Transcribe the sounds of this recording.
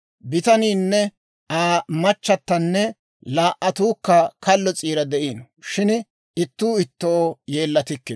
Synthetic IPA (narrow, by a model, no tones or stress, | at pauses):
bɪt̪ɐniːnːɛ | aːmɐt͡ʃːɐt̪ːɐnːɛ | laːʔʔɐt̪uːkːɐkɐlːɔt͡sʼiːɾɐd̪ɛʔiːn | ʃɪn | ɪt̪ːuːɪt̪ːojeːlːɐt̪ɪkːɪ